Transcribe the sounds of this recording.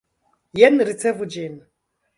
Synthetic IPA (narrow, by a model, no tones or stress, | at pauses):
jɛnɾit͡sʰɛvud͡ʒeːni